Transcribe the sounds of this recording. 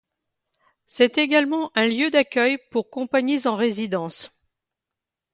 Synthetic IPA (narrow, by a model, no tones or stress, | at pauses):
sɛt̪eɡalmɑ̃ʔɛ̃ljød̪akʲœjpuʁkɔ̃paɲizɑ̃ʁezid̪ɑ̃s